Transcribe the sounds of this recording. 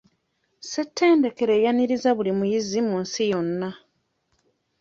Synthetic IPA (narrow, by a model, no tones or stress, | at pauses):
se̞tʰːe̞ːnde̞ke̞ɾe̞ːjaniɾizaβulimujizimunsijo̞nːa